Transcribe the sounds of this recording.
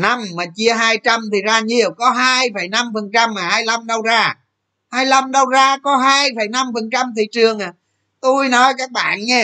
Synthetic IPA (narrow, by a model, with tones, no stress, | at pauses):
na˧mːaː˨˩t͡ɕi˧əɦaː˧jt͡ɕa˧mt̪ʰi˨˩zaː˧ɲi˨˩əwkɔ˨˦ɦaː˧jfə˨˩jna˧mfə˨˩nt͡ɕa˧mːaː˨˩haː˧jla˧mɗə˧wzaː˧ | haː˧jla˧mɗə˧wzaː˧kɔ˨˦ɦaː˧jfə˧˩jna˧mfə˨˩nt͡ɕa˧mt̪ʰi˨˩t͡ɕɨ˨˩əŋʔaː˨˩ | t̪u˧jnɔ˨˦jkaː˦˥k̚ɓa̰ː˧˨nɲɛ˧